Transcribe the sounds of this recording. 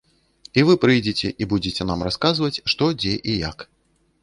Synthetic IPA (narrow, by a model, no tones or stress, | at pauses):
ivɨpɾɨjd͡zʲet͡sʲɛ̰ʔibud͡zʲet͡sʲɛnamraskazvɐt͡sʲʂt̪ɔd͡zʲɛʔija̰k